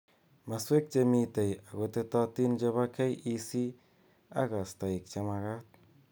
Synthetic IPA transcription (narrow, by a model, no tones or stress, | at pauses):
maswek̚t͡ʃemit̪ajaɡot̪et̪at̪ind͡ʒaβakajisi | a̰ɣast̪aik̚t͡ʃamaɣat̪̚